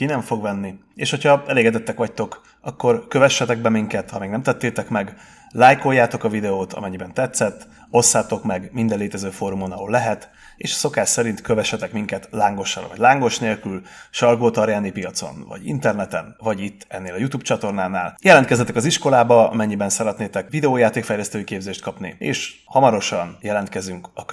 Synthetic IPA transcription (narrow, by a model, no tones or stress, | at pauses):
kinɛɱfo̞ɡʋɛnːieːʃho̞cʰhɒɛleːɡɛd̪ɛt̪ːɛkʋɒc̚t̪o̞k | ɒkːo̞rkø̞vɛʃːɛt̪ɛɡ̚bɛmiŋkɛt̪hɒmeːɡnɛmt̪ɛt̪ːeːt̪ɛkmɛɡ | laːjko̞jːaːt̪o̞kɒvid̪ɛoːt̪ʰɒ̰mɛɲːibɛnt̪ɛt̪sɛt̪ː | o̞sːaːt̪o̞kmɛɡmind̪ɛleːt̪ɛzøːfoːɾumonɒoːlːɛɦɛt̪ | ḛːʃso̞kaːʃsɛɾint̪køvɛʃːɛt̪ɛkmiŋkɛt̪laːŋɡo̞ʃɒ̰lvɒ̰ɟlaːŋɡo̞ʃneːlkylʃɒlɡoːt̪ɒɾjaːnipijɒt̪so̞̰nvɒ̰ɟḭnt̪ɛrnɛt̪ɛnvɒɟit̪ːɛnːeːlɒjut̪uːbpt͡ʃɒt̪o̞rnaːnaːljɛlɛnkɛzːɛt̪ɛkɒziʃko̞laːbɒɒ̰mɛɲːibɛnsɛɾɛt̪neːt̪ɛkvid̪ɛoːjaːt̪eːkfɛjlɛst̪øːjikeːbzeːʃt̪kɒpnḭḛːʃhɒmɒɾo̞ʃɒnjɛlɛnt̪kɛzyŋkɒ